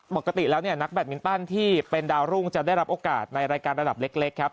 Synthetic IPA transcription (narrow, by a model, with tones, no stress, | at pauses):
po˨˩ka˧t̪i˨˩lɛː˦˥wni˥˩ɐna˦˥k̚bɛː˨˩t̪̚mi˦˥nt̪a˥˩nt̪ʰiː˥˩pe˧ndaː˧wɾu˥˩ŋt͡ɕa˨˩da˥˩jɾa˦˥p̚ʔoː˧kaː˨˩t̪̚na˧jɾaː˧jkaː˧nɾa˧da˨˩p̚le˦˥k̚le˦˥kʰːa˦˥p̚